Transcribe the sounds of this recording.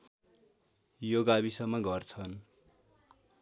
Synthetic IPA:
joɡabisʌŋmːʌɡʌrt͡sʰʌn

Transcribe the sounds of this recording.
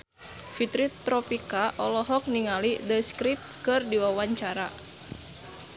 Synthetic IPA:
fit̪ɾit̪ɾɔpikaʔɔlɔɦɔk̚niŋalidəskɾip̚kɨrdiwawaɲt͡ʃaɾa

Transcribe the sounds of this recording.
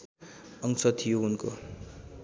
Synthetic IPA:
ʌŋsʌt̪ʰijounko̰

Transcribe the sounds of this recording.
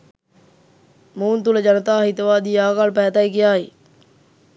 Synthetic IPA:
muːnt̪uləd͡ʒɐnət̪aːɦit̪əʋaːd̪ijaːɡaːlpɛːt̪ajkijaːɦi

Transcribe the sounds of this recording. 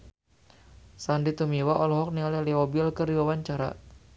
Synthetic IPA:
sandit̪umiwaʔɔlɔɦɔk̚niɔlɛliɔbilkɨrdiwawaɲt͡ʃaɾa̰

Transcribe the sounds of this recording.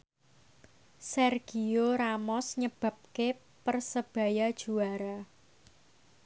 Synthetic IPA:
sɛrɡ̥ioɾamɔsɲəb̥ä̤p̚ke | pərsəb̥ä̤jad̥ʒ̥ṳaɾa

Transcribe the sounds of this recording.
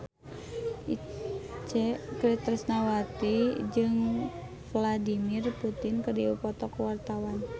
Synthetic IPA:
it͡ʃɛkɾit̪ɾisnawat̪id͡ʒɨŋ | fladimirput̪ɪnkərdiupɔt̪ɔkuwart̪awan

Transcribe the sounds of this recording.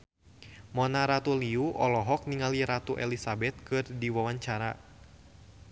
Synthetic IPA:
mɔnaɾat̪uliuʔɔlɔɦɔk̚niŋaliɾat̪uʔɛlisabɛt̪̚kɨrdiwawaɲt͡ʃaɾa̰

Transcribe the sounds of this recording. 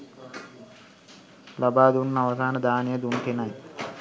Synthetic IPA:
lɐbaːd̪unːɐʋɐsaːnɐd̪aːnijɐd̪unkinɐj

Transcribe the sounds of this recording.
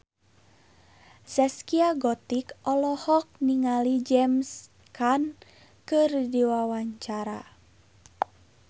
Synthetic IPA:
sɛskiaɡɔt̪ikɔlɔhɔk̚niŋalid͡ʒɛms | kan | kɨrdiwawaɲt͡ʃaɾa

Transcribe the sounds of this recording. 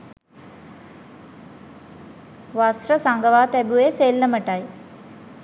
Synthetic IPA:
ʋasrəsaŋɡəʋaːt̪æbueseːlːəməʈaj

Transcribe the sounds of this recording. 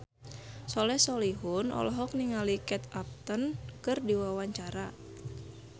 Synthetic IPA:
sɔlɛhsɔliɦunɔ̰lɔɦɔk̚niŋalikɛt̪ap̚t̪ənkɨrdiwawaɲt͡ʃaɾa

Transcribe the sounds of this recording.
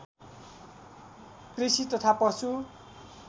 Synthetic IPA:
krisit̪ʌt̪ʰapʌsu

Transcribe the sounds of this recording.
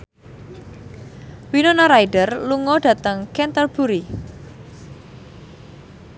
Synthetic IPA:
winonaɾajɖərluŋɔɖ̥ä̤t̪əŋkɛnt̪ərb̥uɾi

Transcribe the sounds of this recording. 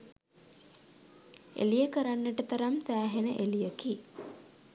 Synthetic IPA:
ḛlijəkəɾanːəʈət̪aɾamsæːɦenəʔelijəki

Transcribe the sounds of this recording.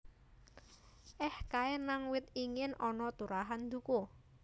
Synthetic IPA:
ʔɛhkaenaŋwɪt̪iŋɪnʔɔnɔt̪uɾaɦand̪uko

